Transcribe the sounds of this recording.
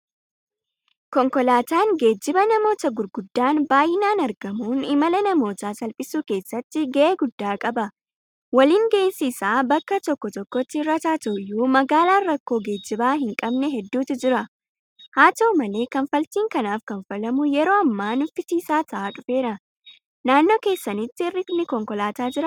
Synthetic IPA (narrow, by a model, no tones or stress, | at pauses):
kɔŋkɔlaːt̪aːŋɡe̞ːd͡ʒːɪbɐnɐmo̞ːt̪ɐɡʊɾɡʊd̪ːaːnbaːjɪnaːnɐɾɡɐmuːnɪmɐlɐnɐmo̞ːt̪aːsɐlpʼɪsuːke̞ːsːɐt̪ːɪɡɛʔeːɡʊd̪ːaːkʼɐbɐ | wɐliːŋɡeɪnsɪːsaːbɐkːɐt̪ɔkːɔt̪ɔkːɔt̪ːɪrːɐt̪aːt̪ɔjːuːmɐɡaːlaːrːɐkːo̞ːɡe̞ːd͡ʒːɪbaːɦɪŋkʼɐbnɛɦɛd̪ːuːt̪ɪd͡ʒɪɾɐ | haːt̪ɐʊmɐle̞ːkɐnfɐlt̪iːŋkɐnaːfkɐnfɐlɐmʊjɛɾo̞ːɐmːaːnʊfɪsiːsaːt̪ɐʔaːᶑʊfe̞ːɾɐ | naːnːo̞ːke̞ːsːɐnɪt̪ːɪɪrːɪnɪkɔŋkɔlaːt̪aːd͡ʒɪɾɐ